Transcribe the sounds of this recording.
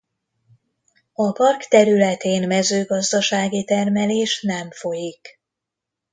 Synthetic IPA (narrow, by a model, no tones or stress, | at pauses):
ɒpɒrkt̪ɛɾylɛt̪eːnmɛzøːɡɒzd̪ɒʃaːɡit̪ɛrmɛleːʃnɛɱfo̞jik